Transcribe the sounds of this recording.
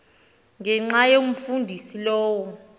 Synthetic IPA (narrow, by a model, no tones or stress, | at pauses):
ŋɛŋ͡ǁajom̩fundʱisilɔːwɔ